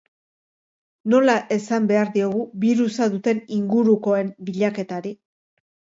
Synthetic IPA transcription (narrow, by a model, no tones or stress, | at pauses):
no̞laʔe̞sambe̞aɾðio̞ɣuβiɾusaðut̪e̞niŋɡuɾuko̞e̞mbiʎake̞t̪aɾi